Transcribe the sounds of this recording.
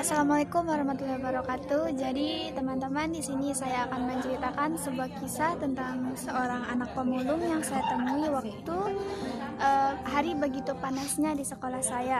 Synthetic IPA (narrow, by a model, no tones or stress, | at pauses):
asalamalakʊmwaɾahmat̪ulabaɾakat̪ːud͡ʒadit̪əmant̪əmandisinisajaːkanməɲt͡ʃəɾit̪akansəbuakisat̪ənt̪aŋsəoɾaŋa̰nak̚pəmulʊŋjaŋsajat̪əmuiwak̚t̪ut̪u | ʔəɦaɾibəɡit̪upanasɲadisəkolahsaja